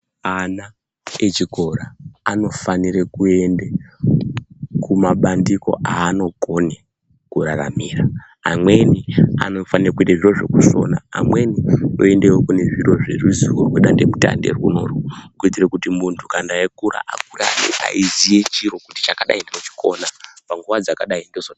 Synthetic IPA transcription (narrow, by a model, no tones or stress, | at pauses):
ana | et͡ʃiɡʱo̞ɾaano̞faniɾekue̞nde | kumaɓandiko̞̰ʔaːno̞ɡʱo̞ne | kuɾaramiːra | amwe̞nia̰no̞fanirekuendaʐiro̞ʐe̞̰kuso̞̰naa̰mwe̞nio̰e̞ndewokune̞ʐiro̞ʐe̞ruziworweɗande̞muta̰nderuno̞rukuitirekutimuntʰukandaekuɾa̰ʔak̚ura̰nḛʔa̰izije̞t͡ʃiɾo̞kuti̥t͡ʃakaɗa̰indeot͡ʃi̥ko̞napaŋɡuʋad͡zakaɗaindezo